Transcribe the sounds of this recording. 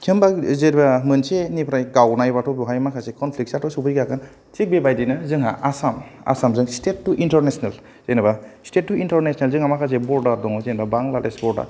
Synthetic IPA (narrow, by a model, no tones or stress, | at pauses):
kʰimbazeɾbamɯnsenipʰɾajɡawnajbatʰɔpuɦajmakʰasekʰɔnpʰlik̚satʰɔsupʰɯjɡakan | t͡ʃik̚bebajdijnɯzɯŋɦa̰ʔasama̰samzɯŋstet̚ːuʔintaɾnesnel | zejnabastet̚ːuintɔɾnesnelzɯŋamakʰas̬ebɔɾdaɾdɔŋɔzenbabaŋlaɾesbɔɾda̰